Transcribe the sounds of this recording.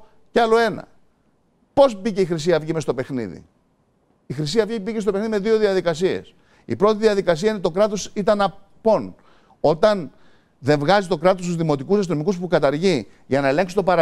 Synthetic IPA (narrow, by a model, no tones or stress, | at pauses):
ceɐlo̞e̞nɐ̰ | po̞sbice̞ixɾis̬iɐvʝime̞st̪ope̞xnḭðḭ | ixɾisiɐvʝibicest̪opexniðime̞ðio̞ðiɐðikɐs̬iḛs | ḭpɾo̞t̪iðiɐðikɐs̬iɐinet̪o̞kɾɐt̪o̞sit̪ɐnɐpo̞n | o̞t̪ɐn | ðe̞ɱvɣɐzit̪okɾɐt̪ost̪uzðimo̞t̪ikusɐst̪ino̞mikuspukɐt̪ɐɾʝi | ʝɐnɐe̞le̞ŋksit̪o̞pɐɾɐ